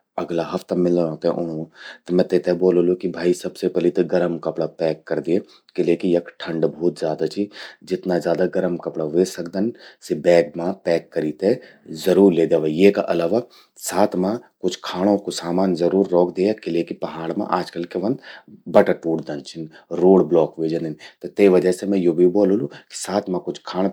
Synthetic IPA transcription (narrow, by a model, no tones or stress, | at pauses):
ɐɡlaɦɐft̪ɐmɪlõːt̪eʔʊnõt̪ɐmɛ̃t̪et̪eboːlolokibʱaːisɐbsepɛlit̪eɡɐɾəmkɐpɽapɛːkːɐɾd̪ie | kɪleːkijɐkʈʰɐ̃ɳɖbʱɔːt̪zʲjaːd̪at͡ʃʰid͡ʒɪt̪nazjaːd̪aɡɐɾəmkɐpɽaʋeːsɐkd̪ɐnsebɛːɡ̚mãpɛːkːɐɾiːt̪e | zɐɾuːɾleːd̪eːʋajekaʔɐlaːʋa | saːt̪ʰmãkʊt͡ʃʰkʰaːɽ̃õkosaːmaːnzɐɾuːɾːɔːkʰd̪eːjakɪlekipɐɦaːɽ̃mã̰ʔaːd͡ʒkɐlkeʋɐ̃nd̪bɐʈaʈuːʈd̪ɐnt͡ʃʰɪnɾoːɽblɔːkʋeːd͡ʒənənt̪ɐt̪eiʋɐd͡ʒəsemɛ̃jobʱiboːloluki̥saːt̪ʰmãkʊt͡ʃʰkʰaːɽ̃